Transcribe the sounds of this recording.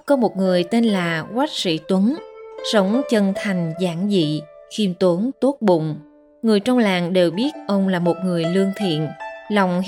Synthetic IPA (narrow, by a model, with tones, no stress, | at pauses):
kɔ˨˦mo˨˩t̚ŋɨ˨˩əjt̪e˧nlaː˨˩ɣwa˦˥jk̚sḭ˧˥t̪wə˨˦nsə˨˦wŋ͡mt͡ɕə˧nt̪ʰa˨˩jŋ̟zaː˧˩ŋzḭ˧˨xi˧mt̪o˨˦nt̪o˦˥t̚ɓʊ̰˧˨ŋ͡m | ŋɨ˨˩əjt͡ɕɔ˧wŋ͡mlaː˨˩ŋɗe˨˩wɓi˦˥ət̚ʔə˧wŋ͡mlaː˨˩mo˨˩t̚ŋɨ˨˩əjlɨ˧əŋt̪ʰḭ˧˨ənlɔ˨˧˨wŋ͡m